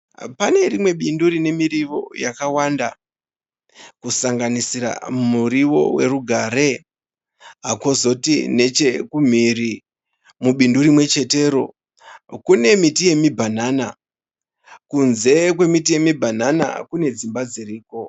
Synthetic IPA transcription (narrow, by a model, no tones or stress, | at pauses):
pane̞rimwe̞ɓinduɾine̞miriʋo̞̰jakawanda | kusaŋɡanisira̰muriʋo̞̰we̞̰ɾuɡʱaɾe̞ | ɦako̞zo̞tine̞t͡ʃe̞kum̤iri | muɓinduɾimwe̞t͡ʃe̞te̞ːɾo̞ | kune̞mitije̞mibʱanana̰ | kunze̞kwe̞mitije̞mibʱanana̰kune̞d͡zimbad͡ziriːko̞